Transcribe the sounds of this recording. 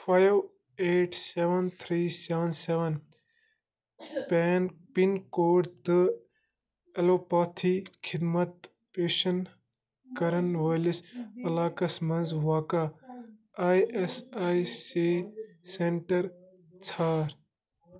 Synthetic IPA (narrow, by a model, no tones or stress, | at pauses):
faːjʋ | eːʈseʋɐnt̪ʰɾiːseʋɐnseʋɐn | pɛːnpinkoːʈd̪ɨ | ɐloːpaːt̪ʰikʰid̪mɐt̪ | peːʃɐn | kɐɾɐnʋɐjlisɐlaːkɐsmɐ̃nzʋaːka | aːjesaːjse | seɳʈɐɾ | t͡sʰaːɾ